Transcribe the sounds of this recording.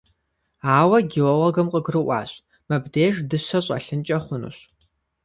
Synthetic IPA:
aːwɐɡʲɪwɐwɐɡɐmqʼəɡrɨʔʷɑ̰ːɕʼ | mɐbdeːʒdɨɕɐɕʼɐ̰ɬɨnt͡ʃʼɐχʷʊnṵɕ

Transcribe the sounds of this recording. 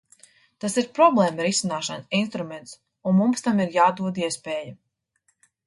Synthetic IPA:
t̪asiɾpɾɔblˠɛːmɐɾisinaːʃaninst̪ɾumɛnt̪s | unmumst̪amiɾjaːd̪uɔd̪iɛspɛːjɐ

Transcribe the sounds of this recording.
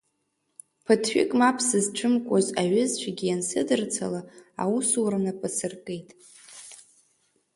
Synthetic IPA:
pʰɨtʰħʷᶣʏ̰kʼmapʰsɨzʈ͡ʂʰɨmkʷʼozaɥɪzt͡ʃʷʰaɡʲijansɨdɨrt͡sʰalaa̰usuɾanapʼɨsɨrkʼe̞jtʼ

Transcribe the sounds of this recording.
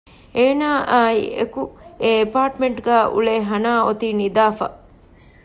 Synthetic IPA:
eːnaːiekueepaːʈmeɳʈɡæːʔṵɭeːɦɐnaːot̪inid̪aːfɐ̰

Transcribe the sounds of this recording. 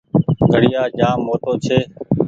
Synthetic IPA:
ɡʱəɽɪjaːd͡ʒãːmːoːt̪oːt͡ʃʰeː

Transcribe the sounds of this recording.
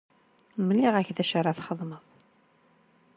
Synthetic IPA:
mliʁæçðæʃəɾˤɑθχəðˤməðˤ

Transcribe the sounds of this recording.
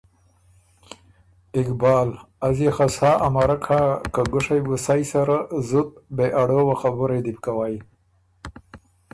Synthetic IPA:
ɪkbɑːl | azexasɑːʔamaɾakʰakaɡʊʂajbusajsaɾazʊt̪̚beʔaɽowaxabʊɾed̪ip̚kawaj

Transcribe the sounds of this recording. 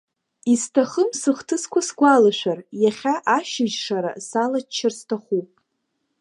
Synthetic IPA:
istʰaχəmsɨχtʰɨskʷʰasɡʷalaʃʷᶣarjaχʲaʔaʃɪʒʂaɾa̰salat͡ʃʰːɪrstʰaχupʼ

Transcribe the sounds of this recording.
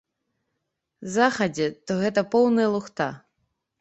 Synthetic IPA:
zaxɐd͡zʲɛt̪ɔɣɛt̪ɐpɔwnɐjɐlˠuxt̪a̰

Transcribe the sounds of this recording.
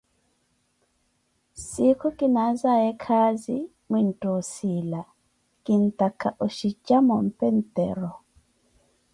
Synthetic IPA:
sikʰɔkʼinazajɛkʰazi | mwin̩tʼɔsila | kʼin̩takʰaʔoʃit͡ʃamɔm̩pɛn̩tɛ̰ɾɔ

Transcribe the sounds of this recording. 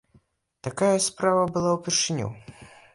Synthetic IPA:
t̪akajɐspɾavɐbɨlˠawpʲɛrʂɨnʲṵ

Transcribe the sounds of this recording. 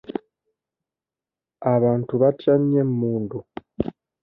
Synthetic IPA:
aβaːntuβatjamemmuːndu

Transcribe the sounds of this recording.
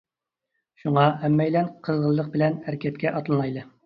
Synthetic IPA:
ʃuŋɑɛmːɛjlɛnqʰəzʁəlˠːəq̚bɪlɛnæɾkʲɛt̪̚kʲɛʔɑt̪lˠɨnɑjlɨ

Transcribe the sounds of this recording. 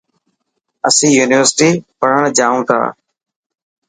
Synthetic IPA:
əsĩːjuːnɪʋəɾsɪʈiːpəɽ̤əɳ̃d͡ʒaːũːt̪ʰa̰ː

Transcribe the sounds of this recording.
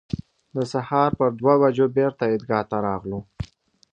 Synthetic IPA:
d̪əsahɑɾpəɾd̪wawad͡ʒobeɾt̪aɪd̪ɡɑt̪aɾɑɣlo

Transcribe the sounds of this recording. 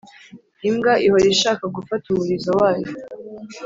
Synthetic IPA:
imɡaʔihoɾiʃaːkaɡufatumuɾizawaːjo

